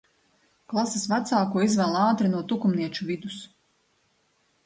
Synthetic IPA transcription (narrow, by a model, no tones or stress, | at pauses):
klˠasesvat̪saːkuɔizvɛlˠɑːt̪ɾinuɔt̪ukumniɛt͡ʃuvid̪us